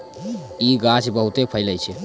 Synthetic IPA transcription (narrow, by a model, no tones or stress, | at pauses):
iɡãt͡ʃbəɦut̪epʰəɪləjt͡ʃʰɛ